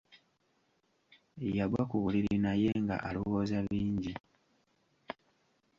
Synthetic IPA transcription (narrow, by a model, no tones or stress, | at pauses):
jaɡwakuβuliɾinaje̞ŋɡa̰ʔaloβozaβiːɲɟi